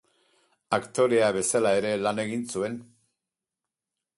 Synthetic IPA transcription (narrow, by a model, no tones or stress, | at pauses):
akt̪o̞ɾe̞aβe̞salae̞ɾe̞lane̞ɣinsue̞n